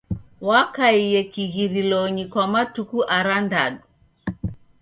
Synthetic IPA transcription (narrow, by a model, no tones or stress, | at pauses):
wakaijɛkiɣiɾilɔɲikwamatukuʔaɾandaɗu